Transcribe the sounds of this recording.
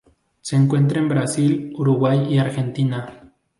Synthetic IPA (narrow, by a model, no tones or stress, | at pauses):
seːŋkwe̞nt̪̬ɾaembɾasiluɾuɣwajiaɾxe̞nt̪ina